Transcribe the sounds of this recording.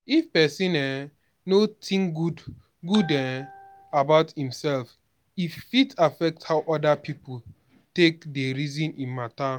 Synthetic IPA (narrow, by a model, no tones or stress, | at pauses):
ifpɛsĩnɛ | notʰĩŋɡud | ɡudɛ | abaʊthĩmsɛlf | ifːitafɛk̚thaʊʔɔdapʰipu | tekdeɹizĩnĩnmatã